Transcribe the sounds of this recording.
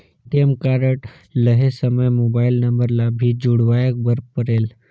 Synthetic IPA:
ʈemkaɾəʈ | ləɦesəməjmobailnəmbəɾlabʱid͡ʒuɽʋajək̚bəɾpəɾel

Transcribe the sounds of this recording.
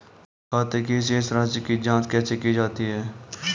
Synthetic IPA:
kʰaːt̪ekiɪs̬ɪsɾaːzəkid͡ʒãːt͡ʃkɛːsekid͡ʒaːt̪iɦɛː

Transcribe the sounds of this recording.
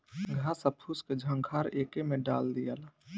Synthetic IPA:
ɡʱasəpʰusked͡ʒʱəŋkʰaɾeːkemeɖa̰ːld̪ijala

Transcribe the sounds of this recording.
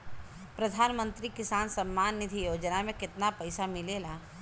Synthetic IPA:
pɾəd̪ʱaːnmə̃nt̪ɾikɪsaːnsəmːaːnːɪd̪ʱijoːd͡ʒnamẽkɪt̪napɐɪsamɪlela

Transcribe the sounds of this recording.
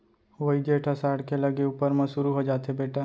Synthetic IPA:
ʋoid͡ʒeːʈʰəsaːɾɽkelɐɡeuːpəɾmɐ̃sʊɾuɦod͡ʒaːt̪ebeːʈa

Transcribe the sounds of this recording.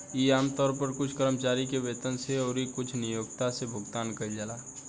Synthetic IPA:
jiaːmt̪ɔːɾpəɾkʊt͡ʃʰkəɾəmt͡ʃaːɾikeʋeːt̪ənseɔːɾikʊt͡ʃʰnɪjoːɡ̚t̪asebʱʊɡt̪aːnkəid͡ʒalaː

